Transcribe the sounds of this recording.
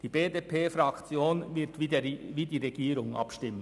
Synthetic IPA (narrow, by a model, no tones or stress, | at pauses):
d̥iːbeːdepʰeːfɾɑkt͡sjoːnɪtːviːdiːʁeɡiːɾʊŋɑ̰pʃtɪmən